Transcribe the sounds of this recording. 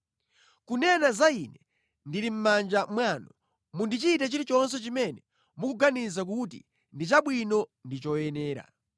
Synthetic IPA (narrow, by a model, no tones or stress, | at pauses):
kunɛnazainɛ | ndiɾim̩mand͡ʒamwanɔ | mundit͡ʃiːtat͡ʃiɾit͡ʃɔns̬ɛt͡ʃimɛnɛ | mukuɡanizak̬ut̬ḭ | ndit͡ʃaɓwinɔndit͡ʃɔjɛnɛːɾa̰